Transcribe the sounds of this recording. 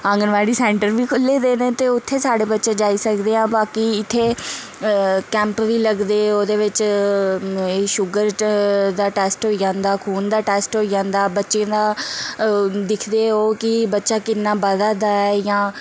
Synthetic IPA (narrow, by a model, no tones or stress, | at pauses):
ə̃ŋɡənʋaːɽiːsɛ̃ːɳʈəɾʋiːkʰʊlːeːd̪eːnẽːt̪eːʊt̪ʰːeːsaːɖeːbətːʃeːd͡ʒaːiːsəkd̪eːãːbaːkiːɪt̪ʰːeː | kɛ̃ːmpʋiːləɡd̪eːoːd̪eːʋɪt͡ʃ | eːʃʊɡəɾd̪aːʈɛːsʈɦoːiːd͡ʒãːnd̪aːkʰuːnd̪aːʈɛːsʈɦoːiːd͡ʒãːnd̪aːbətːʃeãːd̪aː | d̪ɪkʰd̪eːoːkɪbətːʃaːkɪnːaːbəd̪aːd̪aːɛɛːjãː